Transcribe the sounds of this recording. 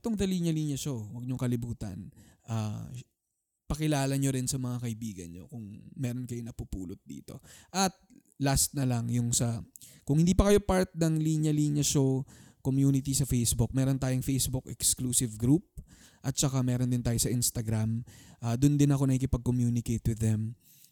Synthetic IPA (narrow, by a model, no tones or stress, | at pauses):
ɐt̪oŋd̪ɐliːɲjɐliːɲjɐʃowɐɡ̚ɲoŋkɐlɪbuːt̪ɐ̰nʔaː | pɐkɪlaːlɐɲoɾɪnsɐmɐŋakɐʔɪbiːɡɐ̰nɲo̰kʊŋmɛːɾonkɐjonɐpupṵːlot̪̚d̪ḭːt̪o̞ʔɐt̪̚ | last̪̚nɐlɐŋjʊŋsɐ | kʊŋhɪ̃nd̪iːpɐkɐjo̞paɹt̪̚nɐŋliːnjɐliːnjɐʃokomjuːnɪt̪isɐfejsbʊk̚mɛːɾo̞nt̪aːjʊŋfejsbʊkɛkskluːsɪvɡɾup̚ | ʔɐt̪̚t͡ʃɐkamɛːɾond̪ɪnt̪aːjosɐʔɪnst̪ɐɡɾamʔaːd̪ʊnd̪ɪnɐko̞nɐkikɪpɐɡ̚komjuːnɪkejt̪wɪðːɛm